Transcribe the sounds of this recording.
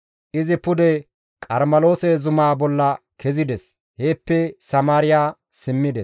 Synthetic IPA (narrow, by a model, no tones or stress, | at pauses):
ʔɪzɪpʊd̪ɛ | kʼɐɾmɐlo̞ːsɛzʊmaːbɔlːɐ | kɛzɪd̪ɛs | heːpːɛsɐmaːɾɪjaː | sɪmːɪd̪ɛs